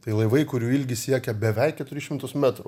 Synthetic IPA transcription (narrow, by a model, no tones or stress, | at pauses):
t̪ɐɪlˠɐɪʋɐɪkʊɾʲuːɪlʲɡʲɪsʲiɛkʲɛbʲɛʋʲɛɪkʲɛt̪ʊɾʲɪʃʲɪmt̪ʊsmʲæt̪ɾʊ